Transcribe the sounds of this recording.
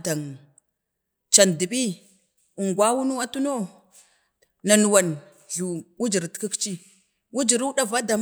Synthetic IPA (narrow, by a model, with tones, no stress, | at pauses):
da˨ŋ | t͡ʃa˨ndi˨ɓi˦ | u˨ŋɡwa˦wu˦nu˦wa˦tu˦no˦ | na˨nu˨wa˨n | ɮu˨wu˦d͡ʒi˨ɾti̥˨˦ki˦kt͡ʃi˦ | wu˦d͡ʒi˨ɾu˦ɗa˦va˦da˨m